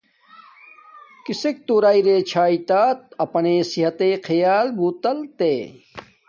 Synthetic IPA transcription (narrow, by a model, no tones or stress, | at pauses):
kisek̚t̪uːɾaːiɾeːt͡ɕʰaːit̪aːt̪̚ɐpɐneːsiɦɐt̪eːkʰɐjaːlbuːt̪ɐlt̪eː